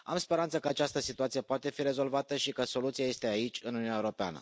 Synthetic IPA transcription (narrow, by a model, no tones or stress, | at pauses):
amspeɾant̪səkəat͡ʃast̪əsit̪uat̪sijepoat̪e̞fiɾe̞zo̞lvat̪əʃikəso̞lut̪sijaje̞st̪e̞ait͡ʃʲɨnununaeuɾo̞pea̰nə̰